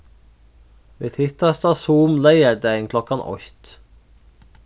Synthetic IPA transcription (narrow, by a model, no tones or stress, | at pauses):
ʋeːt̪ʰɪt̪ɑst̪ɑsuːmlæɪədæɪɪŋkʰlɔkɑnʔɔ̰çt̪